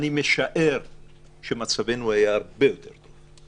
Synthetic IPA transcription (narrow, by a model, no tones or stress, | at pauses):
nimeʃaʔeʁ | ʃemat͡savenuajaɾbejot̪eɾt̪ova